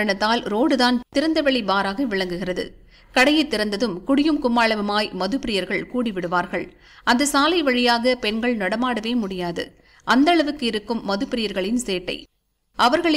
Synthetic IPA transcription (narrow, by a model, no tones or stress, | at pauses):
ɐɳɐt̪ːaːlɾoːɽɯðaːnt̪ɪɾɐnd̪ɐʋɐɭibaːɾaːɣɐʋɪɭɐŋɡɯɣɪrɐðɯ̰ | kɐɽɐjɐɪt̪ːɪɾɐnd̪ɐðɯmkʊɽɪjɯmkʊmaːɭɐʋɐmaːjmɐðɯpːɪɾɪjɐɾɣɐɭkuːɽɪʋɪɽɯʋaːɾɣɐɭ | ɐnd̪ɐsaːlɐɪʋɐɻɪjaːɣɐpɛnɡɐɭnɐɽɐmaːɽɐʋeːmʊɽɪjaːðɯ̰ | ʔɐnd̪ɐɭɐʋɯkːɯɪɾɯkːɯmːɐðɯpːɪɾɪjɐɾɣɐɭɪnseːʈːɐ̰ɪ | ʔɐʋɐɾɣɐɭ